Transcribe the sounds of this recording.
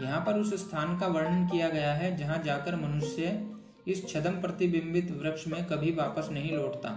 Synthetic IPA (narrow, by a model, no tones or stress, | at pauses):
jɐɦãpɐɾʊsst̪ʰaːnkaʋɐɾɳənkijaɡɐjaɦɛd͡ʒɐɦãd͡ʒaːkəɾmɐnʊʃjə | ɪst͡ʃʰɐd̪əmpɾɐt̪ɪbɪ̃mbɪt̪ʋɾɐkʃmẽkɐbʱiʋaːpəsnɐɦĩloːʈt̪a̰ː